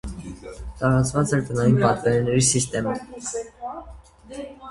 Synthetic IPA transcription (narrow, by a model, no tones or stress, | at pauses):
t̪ɑɾɑt͡svɑt͡sɛɾt̪ənɑjinpɑt̪vɛɾɛnɛɾisist̪ɛmə